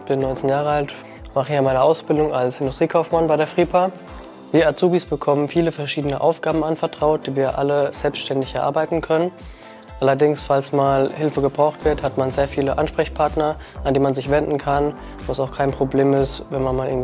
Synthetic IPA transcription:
b̥ɪnːɔʏnt͡senjaːʁəalt | maχəjaːmaɪnɐʔaʊsb̥ɪldʊŋalshɪndʊstʁ̥iːkʰaʊfmanbaɪɾeːɐfʁ̥iːpʰaː | viːɐat͡suːbisb̥əkʰɔmənfiːləfɛɐʃiːdənəʔa̰ʊfɡ̥aːbm̩ʔanfɛɐtʁ̥aʊt̚d̥iːviːɐʔa̰ləz̥ɛlpstʃtɛndɪçɛɐʔa̰ɐbaɪtn̩kʰœnən | ʔalɐdɪŋsfalsmaːlhɪlfəɡəbʁaʊxtv̥ɪɐthatmanzeːɐfiːləʔanʃpʁ̥ɛçpʰaɐtnɐʔandeːnmanzɪçv̥ɛndn̩kʰan | vaːsaʊxkʰaɪnpʁ̥obleːmɪstvɛnmanmaːlʔɪɐɡŋ̩

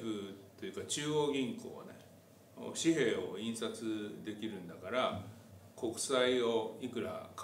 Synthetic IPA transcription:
ɸɯ̟t̪o̞jɯ̟kat͡ɕɨːoːɡʲĩŋko̞̰ːne | o̰ɕiɦe̞ːo̞̰ĩɰ̃sat͡sɨd̪e̞kʲiɾɯ̟̃nd̪akaɾako̞kɯ̟̥saio̞ikɯ̟ɾa̰k

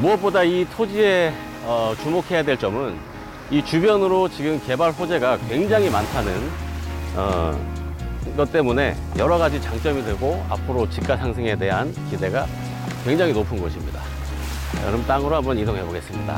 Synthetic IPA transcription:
muʌp͈odaitʰod͡ʑie̞ | ʌt͡ɕumokʰe̞jadwe̞ɭt͡ɕ͈ʌmɯn | it͡ɕubjʌnɯɾot͡ɕiɡɯmke̞baɭɸod͡ʑe̞ɡakwe̞ŋd͡ʑaŋimantʰanɯn | ʌ̰ | ɡʌt̚t͈e̞mune̞̰ | jʌɾʌɡad͡ʑit͡ɕaŋt͡ɕ͈ʌmidɯɡoa̰pʰɯɾot͡ɕik̚k͈asʰaŋsʰe̞ŋe̞de̞ɦankide̞ɡa | kwe̞ŋd͡ʑaŋinopʰɯnɡʌɕʰimɲida̰ | ɾʌmt͈aŋɯɾohambʌnisʰoŋɦeboɡe̞s͈ɯmɲida̰

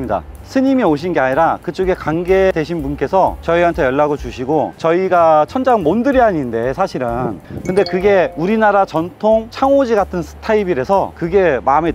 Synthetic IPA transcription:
mɲida̰ | sʰɯɲimioɕ̬ʰinɡeaɲiɾakɯt͡ɕ͈oɡe̞kaŋɡe̞de̞ɕʰinbunk͈e̞sʰʌt͡ɕʌiɦantʰe̞jʌɭːaɡot͡ɕuɕʰiɡot͡ɕʌiɡat͡ɕʰʌnd͡ʑaŋmondɯɾjiɦaɲinde̞sʰaɕʰiɾɯnkɯnde̞kɯɡe̞uɾinaɾat͡ɕʌntʰoŋt͡ɕʰaŋod͡ʑiɡatʰɯnsʰɯ̥tʰaibiɾe̞sʰʌkɯɡe̞mame

